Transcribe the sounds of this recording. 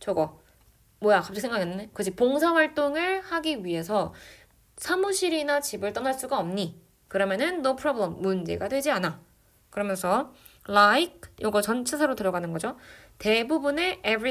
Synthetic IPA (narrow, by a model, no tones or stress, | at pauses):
t͡ɕʌɡʌ | mwʌjakap͈̚ʰksʰeŋɡakenːɯndekɯd͡ʑʰik̚poŋsʰaɸwaɭt͈oŋɯɭhaɡiɥiɦe̞sʰʌ | sʰamuɕʰiɾinat͡ɕibɯɭt͈ʌnaɭs͈uɡaʌmɲi | kɯɾʌmjʌnɯnːopʰɯɾʌbɯɭemːund͡ʑe̞̰ɡadwe̞d͡ʑiana | kɯɾʌmjʌnsʰʌ | laik̚ʰjʔʌɡʌt͡ɕʌnt͡ɕʰesʰaɾotɯɾʌɡanɯnɡʌd͡ʑote̞bubune̞ebɾi